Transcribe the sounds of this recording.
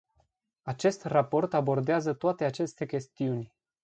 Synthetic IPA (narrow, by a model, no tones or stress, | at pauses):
at͡ʃe̞st̪rapo̞rt̪abo̞rd̪eazət̪oat̪e̞at͡ʃe̞st̪e̞kʲe̞st̪iunʲ